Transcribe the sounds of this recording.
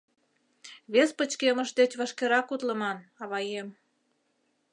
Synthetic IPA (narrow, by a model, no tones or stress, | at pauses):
βespət͡ɕkeməʃd̪et͡ɕβəʃkeɾɑkut̪ləmɑnɑβɑjem